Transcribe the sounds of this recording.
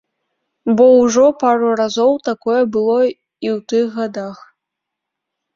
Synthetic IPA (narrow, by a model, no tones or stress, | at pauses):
bɔwʐɔpaɾurazɔwt̪akɔjɛbɨlˠɔ | iwt̪ɨɣɣad̪ax